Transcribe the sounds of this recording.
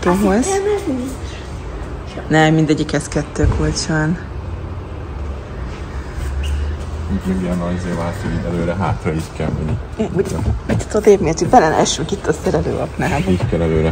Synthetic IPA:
t̪oːɦoz | nɛmːind̪ɛɟːikɛskɛt̪ːøːkʰolt͡ʃaːn | ikeiɛnːɒjzeːvaːt̪oiɛløːɾɛɦaːt̪rɒiːckɛ̰lmɛ̰ɲːiuit̪ːt̪ːod̪eːbmeːt̪ybɛlɛn̰ʔɛʃykit̪ːɒsɛɾɛlø̰ːʔɒ̰knaːlickɛlɛløːɾɛ

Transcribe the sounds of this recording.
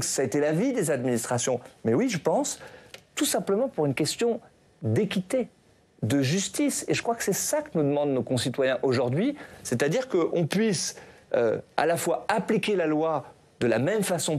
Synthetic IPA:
ksaet̪ɛlavid̪ezad̪minist̪χasjɔ̃mɛwiʒəpɑ̃st̪usɛ̃pləmɑ̃puʁynkʲɛst̪jɔ̃ | d̪ekʲit̪e | d̪əʒyst̪iseʒəkχwakə̥sɛsakənud̪əmɑ̃d̪nokɔ̃sit̪wajɛ̃ʔoʒuʁd̪ɥisɛt̪ad̪iʁkəʔɔ̃pɥisø̰a̰lafwaaplikʲelalwa | d̪əla̰mɛmfasɔ̃

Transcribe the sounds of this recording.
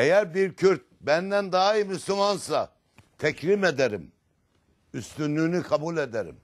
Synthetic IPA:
ejæɾbiɾcʰyɾt̪̚bænd̪ænd̪aːimyslumansa | t̪ʰɛcʰlimed̪eɾim | yst̪ynlynykʰabulʲed̪eɾḭm

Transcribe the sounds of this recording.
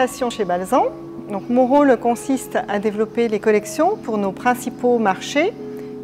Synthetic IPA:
asjɔ̃ʃebalzɑ̃ | d̪ɔ̃kmɔ̃ʁolkɔ̃sist̪ad̪evlɔpelekɔlɛksjɔ̃puʁnopχɛ̃sipomaʁʃe

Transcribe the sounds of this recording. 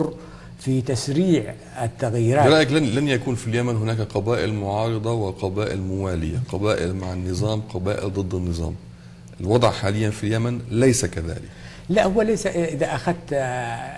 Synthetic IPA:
rˤ | fit̪asɾiːʕ | at̪ːaɣjiːɾaɾɑːʔɪkllanjakuːnfiljæmanɦʊnaːkqɑbaːʔɪlmʊʕɑːɾˤɨd̪ˤɑwɪqɑbaːʔɪ̰lmʊwaːlɪjaqɑbaːʔɪ̰lmaʕanːɨzˤɑːmqɑbaːʔɪ̰ld̪ˤɨd̪ˤːɑnːɨzˤɑ̰ːm | ʔɪlwɑd̪ˤʕħaːlɪjːanfiljamanlajsakaða̰ːlɪk | laʔhʊwːalajsaʔʔɪðaʔaxad̪̚t̪

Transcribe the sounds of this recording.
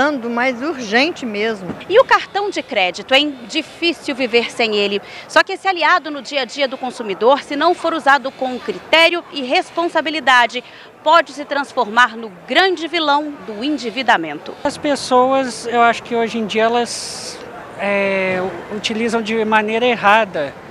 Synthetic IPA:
ɐ̃d̪ʊmajzuɾʒẽnt͡ʃɪmezmʊɪʊkaɾt̪ɐ̃w̃d͡ʒɪkɾɛd͡ʒit̪ʊɛ̃d͡ʒifisiwviveɾsẽj̃elɪsɔkɪesɪaliad̪ʊnʊd͡ʒiɐd͡ʒiɐd̪ʊkõsumid̪oɾsɪnɐ̃w̃foɾuzad̪ʊkõʊkɾit̪ɛɾjʊɪɦespõsabilid̪ad͡ʒɪ | pɔd͡ʒɪsɪt̪ɾɐ̃sfoɾmaɾnʊɡɾɐ̃d͡ʒɪvilɐ̃w̃d̪ʊĩnd͡ʒivid̪amẽnt̪ʊ̰ɐspesowɐzewaʃʊ̥kɪoʒẽd͡ʒiɐɛlɐs | ɛ | ut͡ʃilizɐ̃w̃d͡ʒɪmɐ̃nejɾɐeɦad̪ɐ

